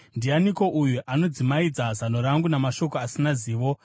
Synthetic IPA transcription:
ndianiko̞ʔujuʔano̞d͡zimaid͡zazano̞ɾaŋɡunamaʃo̞koasinaziːʋo̞

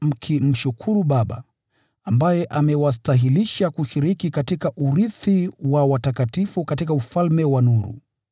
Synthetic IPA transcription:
m̩kʰim̩ʃukʰuɾuɓaɓa̰ | ambajɛʔamɛwas̬taɦiliʃakuʃiɾikikatikaʔuɾiθiwawatakatifukatikaufalmɛwanuɾṵ

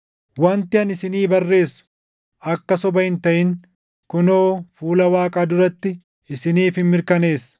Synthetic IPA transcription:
wɐnt̪ɪɐnɪsɪniːbɐrːe̞ːsːʊ̥ | ʔɐkːɐsɔbɐhɪnt̪ɐʔɪŋ | kʊnoːfuːlɐwaːkʼaːd̪ʊɾɐt̪ːɪ | ɪsɪniːfɪnmɪɾkɐne̞ːsːɐ̥

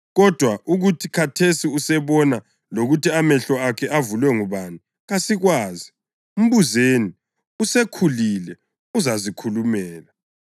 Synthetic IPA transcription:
ɣɔd̥ʱwaʔuɣutʰikʰatʰesiusɛβɔna | loɣutiamɛɬɔakʰɛʔavulwɛŋuβanu | ɣasiɣwaːzi | um̩βuzeni | usekʰulilɛ | uzazikʰulumɛːla

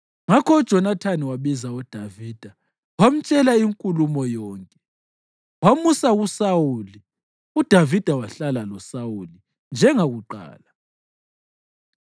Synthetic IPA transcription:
ŋakʰɔud̥ʒ̥ʱɔnatʰaniwaβizaɔd̥ʱaviːd̥ʱa | wam̩t͡ʃʼɛlaiŋkʼulumɔjɔːŋkʼɛ | wamusaɣusawuli | ud̥ʱavid̥ʱawaɬalalɔsawuli | nd͡ʒʱɛŋaɣuǃa̰ːla

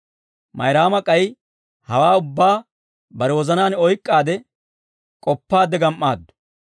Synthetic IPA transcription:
mɐ̰jɾaːmɐkʼɐj | hɐwaːʊbːaː | bɐɾɛwɔzɐnaːnɔjkʼːaːd̪ɛ | kʼɔpːaːd̪ːɛɡɐmʔːaːd̪ːʊ̥

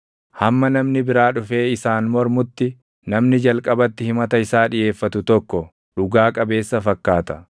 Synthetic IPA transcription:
hɐmːɐnɐmnɪbɪɾaːᶑʊfe̞ːɪsaːnmɔɾmʊt̪ːɪ | nɐmnɪd͡ʒɐlkʼɐbɐt̪ːɪhɪmɐt̪ɐɪsaːᶑɪje̞ːfːɐt̪ʊt̪ɔkːɔ | ᶑʊɡaːkʼɐbe̞ːsːɐfɐkːaːt̪ɐ̥

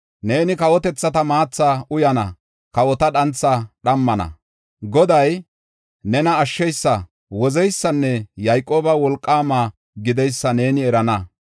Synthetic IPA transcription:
ne̞ːnɪkɐwɔt̪ɛt͡sːɐt̪ɐmaːt͡sːaʊjɐnɐ̰ | kɐwɔt̪ɐɗɐnt͡sːɐɗɐmːɐnɐ̰ | ɡɔd̪ɐj | nɛnɐːʃːɛjsːɐ | wɔzɛjsːɐnːɛjajkʼoːbɐwɔlkʼːaːmaː | ɡɪd̪ɛjsːɐne̞ːnɪɛɾɐnɐ

